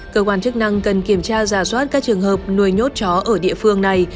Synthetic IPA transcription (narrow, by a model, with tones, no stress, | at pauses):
kəː˧kwaː˧nt͡ɕɨ˦˥k̚na˧ŋkə˨˩nki˧˩əmt͡ɕaː˧zaː˧˩swaː˦˥t̚kaː˦˥k̚t͡ɕɨ˨˩əŋɦəː˨˩p̚nu˨˩əjɲo˦˥t̚t͡ɕɔ˨˦ʔəː˧˩ɗḭ˧˨əfɨ˧əŋna˨˩j